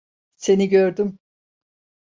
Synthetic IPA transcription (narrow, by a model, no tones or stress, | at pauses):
se̞niɟøɾd̪ym